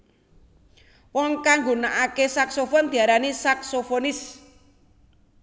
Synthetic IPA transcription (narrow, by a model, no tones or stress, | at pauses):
wɔŋkaŋɡunaʔakesaksofɔnd̪̥i̤aɾanisaksofonɪs